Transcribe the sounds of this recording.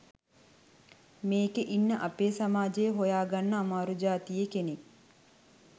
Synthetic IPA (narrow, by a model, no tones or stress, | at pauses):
meːkeʔinːəʔapeːsamaːd͡ʒejəɦojaːɡanːəːmaːɾud͡ʒaːt̪ijekenek̚